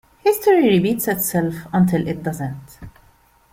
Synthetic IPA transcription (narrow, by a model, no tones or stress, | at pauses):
hɪstəɹiɹibitsɪtsɛlfə̃ntʰɪlʔɪt̚dʌzə̃nt